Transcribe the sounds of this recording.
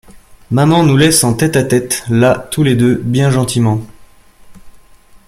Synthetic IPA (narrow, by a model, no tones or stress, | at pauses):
mamɑ̃nulɛsɑ̃t̪ɛt̪at̪ɛt̪lat̪uled̪øbjɛ̃ʒɑ̃t̪imɑ̃